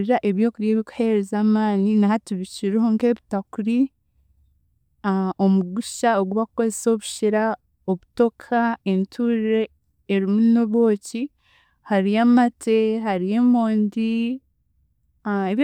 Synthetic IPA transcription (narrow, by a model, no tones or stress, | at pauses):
ɾiɾaʔe̞βjo̞ːkuɾijeːβiku̥he̞ɾezaːmaːninahatuβiciɾehoŋke̞βitakuɾi | o̞muɡuʃaoɡuβakuko̞zeso̞βu̥ʃiɾa | o̞βuto̞kʰaentʰuɾiɾe̞ː | ɾimunoβo̞ːci | haɾijaːmatʰe̞ɦaɾije̞ːmo̞ːndi | eβ